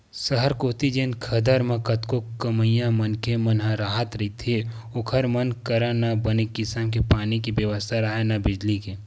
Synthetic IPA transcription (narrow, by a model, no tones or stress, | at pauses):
səɦəɾkoːt̪id͡ʒenkʰɐd̪əɾmɐ̃kɐt̪kokəməjãmɐnkemɐnɦə̃ɾaːɦət̪ɾɐit̪ʰe | ʊkʰəɾmənkəɾãnabɐnekɪsəmkepaːnikibjəʋəst̪ʰaɾaɦenabɪd͡ʒlike